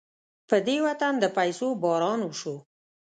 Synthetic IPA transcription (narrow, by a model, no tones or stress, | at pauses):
pəd̪ewat̪and̪əpajsobɑɾɑnuʃo